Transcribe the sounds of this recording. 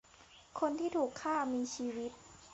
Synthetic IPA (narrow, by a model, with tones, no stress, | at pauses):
kʰo˧nt̪ʰiː˥˩t̪ʰuː˨˩kʰːaː˥˩miː˧t͡ɕʰiː˧wi˦˥t̪̚